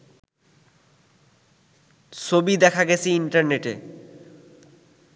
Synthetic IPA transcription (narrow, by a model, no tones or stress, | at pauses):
t͡ɕʰobid̪ɛkʰaɡet͡ɕʰiiɳʈaɾneʈe